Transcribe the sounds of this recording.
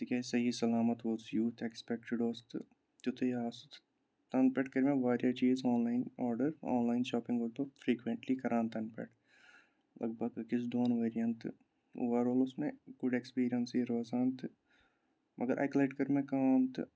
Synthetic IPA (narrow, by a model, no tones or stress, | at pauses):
t̪ikʲesɐɦisɐlaːmət̪ʋoːsjuːt̪ʰekspek̚ʈɪɖoːst̪ | t̪ʊt̪ʰeaːst̪ | t̪ɐnpeʈkɐɾmẽʋaːɾjat͡ʃiːzaːnlaːɪnɔːɾɖəɾɔ̰ːnlaːɪnʃaːpɪ̃ŋɡoːɾt̪ofɾiːkʋẽɳʈlikɐɾʔãːnt̪ɐnpḛʈ | lʔɐ̰ɡ̚bɐɡkɪs̬ɖoːnʋeːɾijɐnt̪ | o̰ːʋəɾoːlʊsmẽɡʊɖekspiːɾijənsiɾoːzãːnt̪ | mʔɐɡəɾʔa̰ːklaːʈkɐɾmẽkɐaːnt̪